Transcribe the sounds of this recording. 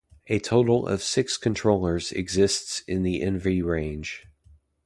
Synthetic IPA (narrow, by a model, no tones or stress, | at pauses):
ɨtʰoʊɾl̩ˠʌ̰v̥sɪkskʰɨ̃ntʰɹ̥oʊlˠə˞zɨ̰ɡzɪstsɪ̃nðiʔɛ̃nvəɹiɹẽɪ̃nʒ̥